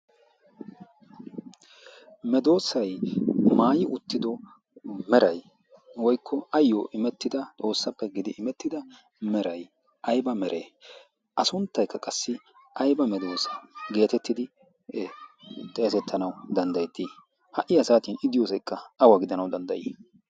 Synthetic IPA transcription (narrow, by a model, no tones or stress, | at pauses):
mɛd̪o̞ːsɐjmaːjɪʔʊt̪ːɪd̪ɔ | mɛɾɐj | wɔjkʰːɔɐjːoʔɪmɛt̪ːɪd̪ɐt̪ʼo̞ːsːɐpːɛɡɪd̪ɪʔɪmɛt̪ːɪd̪ɐ | mɛɾɐj | ʔɐjbɐmɛɾʔḛː | ʔɐsʊnt̪ːɐjkːɐkʼɐsːɪ | ʔɐjbɐmɛd̪o̞ːsɐɡe̞ːt̪ɛt̪ːɪd̪ɪ | t̪ʼɛːsɛt̪ʰːɐnɐwd̪ɐnd̪ɐjt̪ːi | hɐʔɪjɐsaːt̪iːnɪd̪ɪjoːsɛjkːɐɐwaɡɪd̪ɐnɐwd̪ɐnd̪ɐjiː